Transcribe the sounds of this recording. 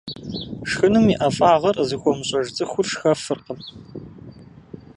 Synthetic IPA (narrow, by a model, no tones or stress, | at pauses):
ʂxɨnɨmiʔɐfʼaːʁɐrzixʷɔmɕʼɐʒd͡zʼɨxʷʊrʂxɐfɨrqəm